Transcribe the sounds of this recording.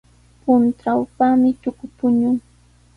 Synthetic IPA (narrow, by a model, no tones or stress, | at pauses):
pʊnt̪ɾawpamɪt̪ʊkʊt̪ʊɲʊŋ